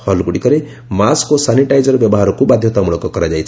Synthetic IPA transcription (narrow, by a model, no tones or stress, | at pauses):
hʌlɡuɽikʌɾe | maskosaniʈajd͡zʌɾbjʌbɔɦaɾɔkobad̪ʱjɔt̪amuɭɔkɔkɔɾad͡ʒajt͡sʰ